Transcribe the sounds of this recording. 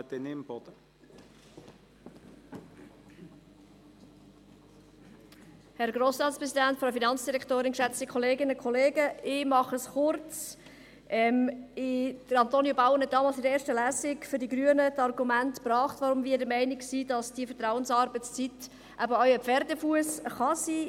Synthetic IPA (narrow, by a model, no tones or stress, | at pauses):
t̪ɪnɪmb̥ɔd̥̪ə | hɛɾɡroːsɾɑːtspɾɛsidæntfɾaʊfinɑnt͡sd̥iɾɛktoːɾɪnkʃæt͡stəkʰɔleːɡɪnəkʰχɔleːɡəɪmɑχəsχʊrt͡s | ʔɛmɪd̥əɾɑnt̪oːnjobaʊənhɛt̚d̥ɑːmɑːlsɪdəeːɾʃtəlæːsɪkfʏɾdiɡɾyənətɑrɡumæntpɾɑːχtʋɑɾʊmviːədəmɛɪnɪksiːdɑsd̥iəfətɾaʊənsɑɾbət͡st͡sit | ʔæbəœʏəpfɛɾdəfuəsχɑsi